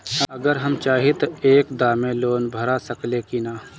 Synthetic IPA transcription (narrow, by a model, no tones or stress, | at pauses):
ɐɡəɾɦɐmt͡ʃaːɦit̪oeːkd̪aːmẽloːnbʱɐɾasɐklekinaː